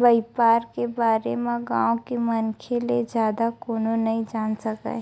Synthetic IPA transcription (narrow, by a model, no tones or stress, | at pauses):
bəɪpaːɾkebaːɾemẽɡãːõkimɐnkʰeled͡ʒjaːd̪akoːnonɐɦĩd͡ʒaːnsɐka̰